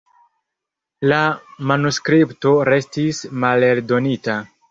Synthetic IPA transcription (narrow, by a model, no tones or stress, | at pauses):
lamanuskɾipto̞ɾe̞stismale̞ldo̞nita